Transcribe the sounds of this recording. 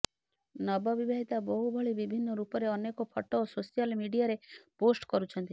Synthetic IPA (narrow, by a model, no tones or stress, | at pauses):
nɔbɔbibeɦit̪abɔɦubʱɔɭibibʱinːɔɾupɔɾeɔnekɔpʰɔʈːɔososijɔlmiɖiaɾeposʈkɔɾut͡ʃʰɔnt̪i